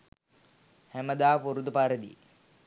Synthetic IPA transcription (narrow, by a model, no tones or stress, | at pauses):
hæməd̪aːpuɾud̪upaɾəd̪ḭ